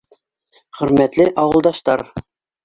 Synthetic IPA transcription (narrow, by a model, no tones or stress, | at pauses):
χɵ̆ɾmæt̪lɘʔɑwɤ̆lˠd̪ɑʃt̪ɑɾ